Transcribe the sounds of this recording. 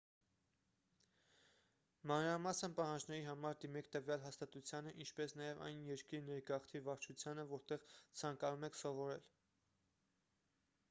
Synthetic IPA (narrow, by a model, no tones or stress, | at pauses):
mɑnɾɑmɑsənpɑhɑnd͡ʒnɛɾiɦɑmɑɾd̪imɛkʰt̪əvjɑlɦɑst̪ɑt̪ut͡sʰjɑnəʔint͡ʃʰpɛsnɑjɛvɑ̰jnjɛɾkiɾnɛɾɡɑχt̪ʰiɾvɑɾt͡ʃʰut͡sʰjɑnəvɔɾt̪ɛʁt͡sʰɑŋkɑnumɛkʰsɔvɔɾɛl